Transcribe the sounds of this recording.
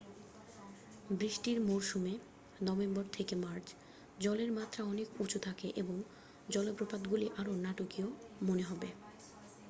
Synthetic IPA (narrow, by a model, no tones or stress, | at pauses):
bɾiʃʈiɾmoɾʃume | nɔbembɔɾt̪ʰekemaɾt͡ɕ | d͡ʑɔleɾmat̪ːɾaɔnekut͡ɕʰot̪ʰakeʔeboŋ | d͡ʑɔlobɾopad̪ɡuliʔaɾonaʈokiomoneɦɔbe